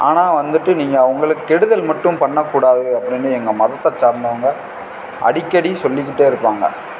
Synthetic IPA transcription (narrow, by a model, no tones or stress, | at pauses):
ʔa̰ːnaːʋɐnd̪ɯʈːɯniːŋɡɐʋɐŋɡɐɭɯkːɯkːɛɽɯðɐlmɐʈːɯ̃mpɐɳːɐkːuːɽaːðɯɐpːɐɽɪnːɯɛŋɡɐmɐðɐt̪ːɐt͡ʃːaːɾnɐʋɐŋɡɐ | ʔɐ̰ɽɪkːɐɽisɔlːɪkːɪʈːeːɪɾɯpːaːŋɡɐ̰